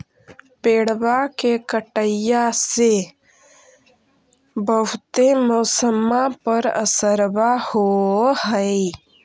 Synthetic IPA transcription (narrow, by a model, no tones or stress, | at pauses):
peːɽbakekəʈəjase | bəɦʊt̪emoːsəmapəɾə̰səɾbahohəi